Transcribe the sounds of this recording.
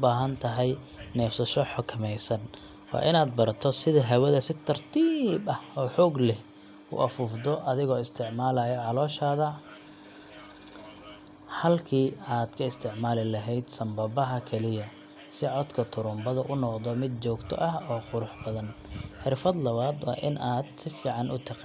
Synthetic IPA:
ʊbaːɦɐnt̪ʰɐɦɛj | nɛːfsɐʃɔħʊkʰɐmɛjsɐn | wɑ̰ːʔɪnaːd̪̚bɐɾt̪ʰɔsɪðɐɦɐwɐðɐsɪt̪ʰɐrt̪ʰiːbɐhɔːħɔːɡlɛh | ʊ̰ʔɐfʊːfd̪ɔʔɐðɪɣɔːɪst̪ʰɪʕmaːlajɔʕɑlɔːʃaːðɐ | hɐlkʰiːaːd̪kʰɐɪst̪ʰɪʕmaːlɪlɐɦɛjd̪sɐmbɐbɐɦɐkʰɛlɪjɐ | sɪʕɔd̪kʰɐt̪ʰʊɾʊmbɐðɐʔʊnːɔqd̪ɔmɪd̪t͡ʃɔːɡt̪ʰɔ̰ʔɐɦɔːqʊɾʊħbɐðɐnħɪɾfɐd̪lɐβaːd̪wɑ̰ːʔɪ̰nʔaːd̪sɪfiːʕɑnʊ̰t̪ʰɐq

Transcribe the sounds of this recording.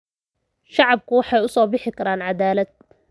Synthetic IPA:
ʃɑʕɑb̚kʰʊwɑħɑjʊsɔːbɪħɪkʰɐɾaːnʕɑd̪aːlɐd̪̚

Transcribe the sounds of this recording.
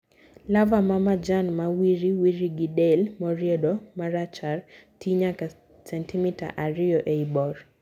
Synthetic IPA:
lavamamad͡ʒanmawiɾiwiɾiɡidɛlmɔɾjɛdɔmaɾat͡ʃaɾtʰiɲaka | sɛntimita̰ʔaɾɪɔʔeibɔr

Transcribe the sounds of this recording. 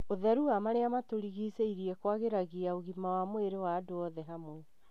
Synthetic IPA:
oðɛɾuamaɾeamatoɾiɣiseiɾiɛkwaɣeɾaɣiaoɣimawamoeɾewaːdoɔðɛɦamo

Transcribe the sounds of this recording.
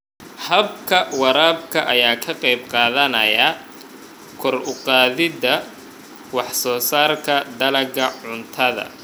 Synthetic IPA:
hɐbkʰɐwɑɾaːb̚kʰɐʔɐjaːkʰɐqɛjb̚qɑːðɐnɐ̰jɐ | kʰɔrʊqɑːðɪd̪ɐ | wɑħsɔːsaːrkʰɐd̪ɐlɐɡɐʕʊnt̪ʰɐðɐ̰

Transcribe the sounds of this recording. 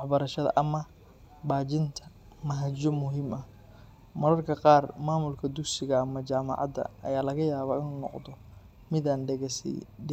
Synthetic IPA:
wɑħbɐɾɐʃɐðɐ̰ʔɐmɐ | baːt͡ʃɪnt̪ʰɐ̥ | mɐɦɐd͡ʒɔmʊɦimʔɐ | mɐlɐrkʰɐqɑːrmaːmʊlkʰɐd̪ʊksɪɣɐːmɐt͡ʃaːmɑ̰ʕɑ̰d̪ɐ̰ʔɐ̰jaːlɐɣɐjaːβaːɪnuːnɔ̰qd̪ɔ | mɪðaːnɖɛɣɛsɛ̰jɖ

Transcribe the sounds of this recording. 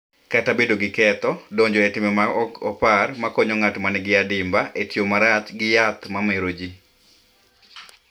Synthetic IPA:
katabedoɡɪkɛt̪ɔdoɲd͡ʒɔetɪmɛmaɔparmakɔɲɔŋatmanɛɡɪadɪmbaʔetjomaɾat͡ʃ̪ɡɪjat̪mameɾod͡ʒi

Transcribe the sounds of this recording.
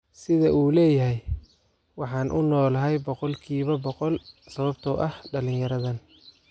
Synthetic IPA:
sɪðɐʔuːlɛːjɐɦɛj | wɑħɑːnʔʊnɔːlɐɦɛjbɔqɔlkʰiːβɐbɔqɔlsɐβɐbt̪ʰɔʔɐhɖɐlɪnjɐɾɐðɐn

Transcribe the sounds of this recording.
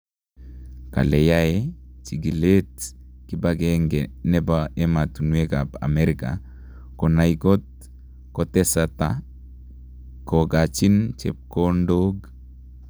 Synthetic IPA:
ka̰lejaet͡ʃiɡilet | kibaɡeŋɡɛnɛbaʔematunwekaba̰meɾika̰ | konaiɡot̚ | kotɛsata | koɡat͡ʃint͡ʃḛp̚kondoɡ

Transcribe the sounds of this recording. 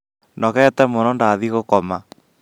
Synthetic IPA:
nɔɣɛːtɛmonɔndaðiɣokɔma

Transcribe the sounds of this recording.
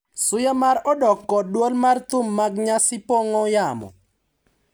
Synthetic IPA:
sʊjamaɾɔdɔkːɔdwolmart̪ʊmːaɡɲasɪpoŋɔjamɔ̰

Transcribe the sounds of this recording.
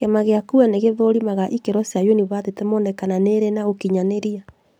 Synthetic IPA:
ɣemaɣeakuaneɣeðoɾimaɣaʔikeɾɔsjajoniβatetemɔndɛkananeɾenaokiɲaneɾia

